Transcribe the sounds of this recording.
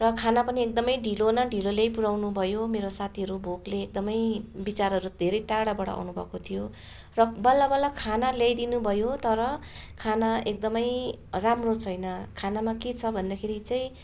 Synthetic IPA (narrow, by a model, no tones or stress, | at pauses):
rʌkʰanapʌniek̚d̪ʌmʌjɖʱilonʌɖʱilolejpuɽawnubʱʌjomeɾosat̪ʰiɦʌɾubʱokleːk̚d̪ʌmʌjbit͡saɾɦʌɾud̪ʱeɾʌjʈaɽabʌɽʌ̰a̰wnubʱʌ̰kot̪ʰijo | rʌbʌlːabʌlːakʰanaljajd̪inubʱʌjot̪ʌɾʌkʰanaek̚d̪ʌmʌjramrot͡sʰʌjnʌkʰanamaket͡sʰʌbʱʌnd̪akʰeɾit͡saĩ